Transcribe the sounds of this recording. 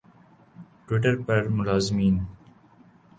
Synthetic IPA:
ʈwɪʈəɾpɐɾmʊlaːzmĩːn

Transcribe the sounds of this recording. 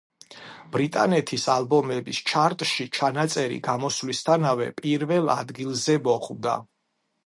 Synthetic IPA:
b̥ɾit̪ʼanɛt̪ʰisalˠbɔmɛbist͡ʃʰaɾt̪ʼʃit͡ʃʰanat̪sʼɛɾḭɡamɔslist̪ʰanavɛ̰pʼiɾvɛlˠa̰d̪ɡilˠzɛmɔχvd̪a̰

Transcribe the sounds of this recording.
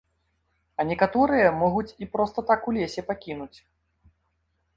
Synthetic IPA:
ɐnʲɛkat̪ɔɾɨjɐmɔɣut͡sʲipɾɔst̪ɐt̪akulʲesʲɛpakʲinut͡sʲ

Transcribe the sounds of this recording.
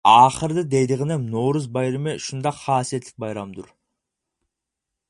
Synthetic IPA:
ɑχəɾd̪ɯd̪e̞jd̪iʁenemnowɾuzbɑjɾimeʃund̪ɑχʰɑːsije̞t̪l̥k̚bɑjɾɑmd̪uɾ

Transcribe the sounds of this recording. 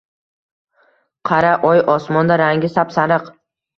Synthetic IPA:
qʰɑɾaʔɒjʔɒsmɒnd̪aɾaŋɡʲɪsapsanɨq

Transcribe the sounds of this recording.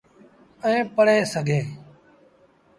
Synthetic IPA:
ɛ̃ːpəɽeːsəɡʱeː

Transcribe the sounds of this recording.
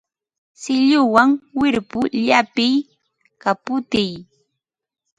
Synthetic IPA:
sɪʎʊwaŋwɪɾpʊʎapɪj | kapʊt̪ɪj

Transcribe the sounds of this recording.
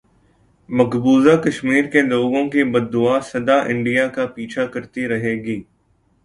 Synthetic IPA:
mɐɡbuːzakɐʃmiːɾkeloːɡõkibɐd̪ːʊaːsɐd̪aʔɪ̃ɳɖijakapiːt͡ʃʰakɐɾt̪iɾɐɦeːɡiː

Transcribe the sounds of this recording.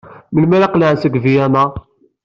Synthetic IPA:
məlmælæqlaʕsəɡvijæna

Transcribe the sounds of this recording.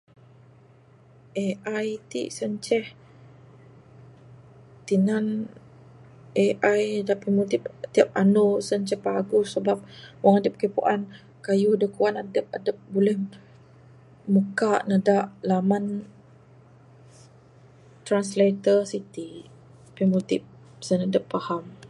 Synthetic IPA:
ʔeʔajt̪ḭʔsəɲt͡ʃɛh | t̪inan | ʔeʔajdapimut̪ip̚t̪iap̚anosəɲt͡ʃɛhpaɡʊsəbap̚waŋadəp̚kəpṵʔan | kajʊhdəkuanadəp̚adəp̚bulɛh | məkaʔnədaʔlaman | t̪ɾanslet̪əsit̪i | pimot̪ip̚ | sənadəpːaham

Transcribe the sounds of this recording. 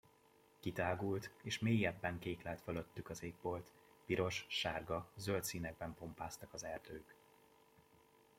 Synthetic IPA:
kit̪aːɡult̪eːʃmeːjːɛbːɛŋkeːklɛlt̪føløt̪ːykɒzeːɡ̚bo̞lt̪ | piɾo̞ʃʃaːrɡɒzølt̪siːnɛɡ̚bɛmpo̞mpaːst̪ɒkɒzɛrd̪øːk

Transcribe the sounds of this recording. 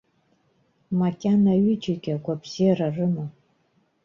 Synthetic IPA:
makʲʼanaɥyd͡ʒikʲʼaɡʷapʰzirarɨma

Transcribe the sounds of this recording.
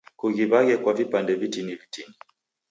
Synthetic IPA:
kuɣiβaɣɛkwavipandɛvitinivitini

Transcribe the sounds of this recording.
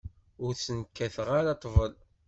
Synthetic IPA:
ʊɾsənkːæθəʁaɾɑt̪ˤːvəl

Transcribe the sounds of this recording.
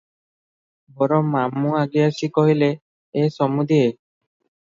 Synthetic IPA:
bɔɾɔmːamːuaɡeaʃikoɦile | eʃɔmud̪ʱie

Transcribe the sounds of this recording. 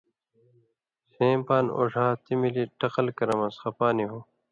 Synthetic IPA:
sẽːmpaːno̰ːʐaːt̪imiliʈɐqɐlkɐɾɐmɐsxɐpaːniɦo

